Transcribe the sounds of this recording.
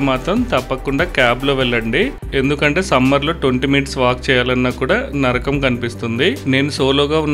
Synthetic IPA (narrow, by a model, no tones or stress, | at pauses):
maːt̪ɾɐmt̪ɐpːɐkuɳɖaːkjaːblo̞ːʋɛɭːɐɳɖi | e̞nd̪ukɐɳʈe̞ːsɐmːɐɾlo̞ːʈʋoɳʈimiːʈsʋaːk̚t͡ʃɛːjaːlɐnːaːkuːɽaːnɐɾɐkɐmkɐnipist̪und̪ine̞ːnuso̞ːlo̞ːɡaːunː